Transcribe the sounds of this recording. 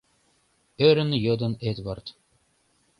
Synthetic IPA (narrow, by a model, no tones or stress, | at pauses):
øɾɘ̆njɤd̪ɤ̆net̪vɤrt̪